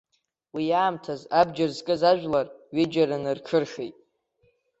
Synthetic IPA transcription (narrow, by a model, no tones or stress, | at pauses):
wijaːmtʰazabd͡ʒarzkʼɨzaʒᶣlarɥɪd͡ʒaɾanɨrʈ͡ʂʰɨrʂejtʼ